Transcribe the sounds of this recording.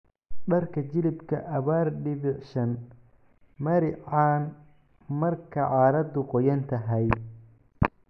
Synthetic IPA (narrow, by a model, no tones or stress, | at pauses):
ɖɐrkʰɐt͡ʃɪlɪbkʰɐʔɐβaːrɖɪβɪʕʃɐn | mɐɾɪʕɑːn | mɐrkʰɐʕɑːɾɐd̪ʊqɔjɐnt̪ʰɐɦɛj